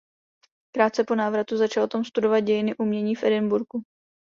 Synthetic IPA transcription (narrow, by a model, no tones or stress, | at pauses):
kɾaːt̪̚t͡sɛpo̞naːvɾat̪uzat͡ʃalot̪omst̪udo̞vat̪̚ɟɛjɪnɪʔumɲɛɲiːfʔɛdɪnbuɾku